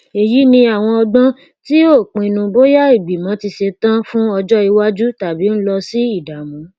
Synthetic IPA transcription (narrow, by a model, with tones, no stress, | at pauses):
e˨ji˨˦nĩ˧a˨w̃ɔ̃˧ɔ˧ɡ͡bã˦ | ti˦o˦˨k͡pĩ˨˧nũ˧bo˦ja˦i˦˨ɡ͡bi˨mã˨˦ti˧ʃe˧tã˦fũ˦ɔ˧d͡ʒɔ˦i˧wa˦d͡ʒu˦ta˨bi˨˦n̩˦lɔ˧si˦i˦˨da˨mɔ̃˨˦